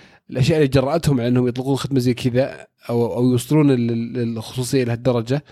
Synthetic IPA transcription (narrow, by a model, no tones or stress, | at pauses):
ʔɪlʔaʃjaʔlːit̪̚d͡ʒɑrˤːɑʔat̪hʊmːaʕaʔanːhʊmjɨt̪ˤlɪquːnxɪd̪maziːkʰɪða | ʔawjwsˤːɨluːnɪlxʊ̥sˤuːsˤɨjːaʔɪlɪhad̪ːɑɾˤɑd͡ʒa